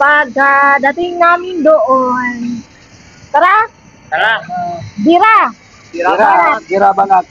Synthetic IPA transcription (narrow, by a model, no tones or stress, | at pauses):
paɡadat̪iŋamindoʔon | k̪əɾa | abiɾa | iɾaaiɾabanat̪̚